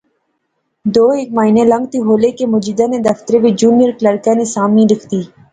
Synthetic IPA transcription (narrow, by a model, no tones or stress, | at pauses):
d̪oːeːk̚maːinẽlə̃ŋɡ̚t̪iɦoːlekemʊd͡ʒid̪ãned̪ɐft̪əɾeʋed͡ʒuːnijəɾkləɾkãːnesaːmĩɖɪkʰt̪iː